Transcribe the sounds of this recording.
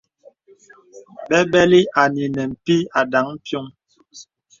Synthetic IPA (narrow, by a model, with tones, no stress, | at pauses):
bɛ˦bɛ˦li˦a˨ni˨nɛ˨m̩˨pi˦a˨da˨˦ŋm̩˦pjo˦ŋ